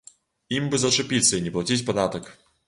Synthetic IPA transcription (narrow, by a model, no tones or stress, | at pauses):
imbɨzɐt͡ʂɨpʲit̪sːɐinʲɛplˠɐt͡sʲit͡sʲpɐd̪at̪ɐk